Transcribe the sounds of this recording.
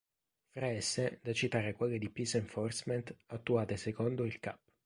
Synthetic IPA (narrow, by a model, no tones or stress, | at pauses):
fɾaɛsːed̪at͡ʃːit̪aːɾekwelːed̪ipiseɱfɔrsmɛnt̪at̪ːuaːt̪esekond̪oilka̰p̚ː